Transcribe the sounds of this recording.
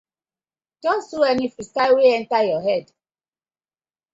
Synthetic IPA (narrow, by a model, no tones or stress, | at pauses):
tɔ̃suɛnifistaɪweɛ̃ntajɔɦɛd